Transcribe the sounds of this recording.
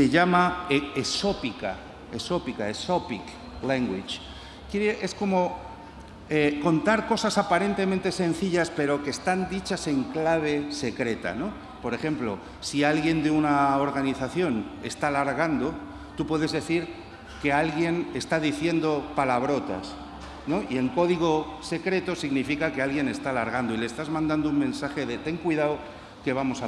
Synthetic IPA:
se̞ʎamaeso̞pika | eso̞pikaesopik | leŋɡwit͡ʃ | kjeɾeʔe̞sko̞mo̞ | eko̞nt̪aɾko̞sasapaɾe̞nt̪e̞mẽnt̪e̞se̞n̟θiʎaspe̞ɾo̞ke̞ːst̪and̪it͡ʃase̞ŋklaβ̞e̞se̞kɾe̞t̪a̰no̞ | po̞ɾe̞xe̞mplo̞̰ | sialɣje̞nd̪eunaoɾɣ̞aniθaθjo̞ne̞st̪alaɾɣand̪o̞ | t̪upwe̞ðe̞zðe̞θiɾ | ke̞alɣje̞ne̞st̪aðiθje̞nd̪o̞palaβ̞ɾo̞t̪a̰s | no̞ie̞ŋko̞ðiɣ̞o̞se̞kɾe̞t̪o̞siɣnifikakealɣje̞ne̞st̪alaɾɣand̪o̞ilest̪azmãnd̪and̪ouŋmẽ̞nsaxe̞ðe̞t̪e̞ŋkwiðaw | ke̞β̞amo̞sa

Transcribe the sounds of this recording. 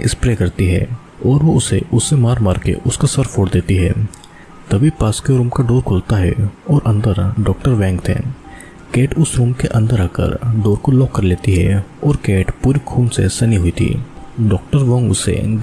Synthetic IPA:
ɪ̰spɾeːkɐɾt̪iɦɛ̰ː | ɔːɾʋoʊseʔʊsːemaːɾmaːɾkḛʔʊskasɐɾfoːɽd̪eːt̪iɦɛː | t̪ɐbʱipaːskjoɾuːmkaɖoːɾkʰʊːlt̪aɦɛ̰ɔːɾʔɐ̃nd̪əɾɖɔːkʈəɾʋɛ̃ːŋkt̪ʰɛ̰ː | keːʈʊsɾuːmkeʔɐ̃nd̪əɾaːkə̰ɾɖoːɾkolɔːkːɐɾleːt̪iɦɛɔːɾkeːʈpuːɾikʰuːnsḛsɐniɦʊit̪ʰḭːɖɔːk̚ʈəɾʋõːŋɡʊ̰sḛ

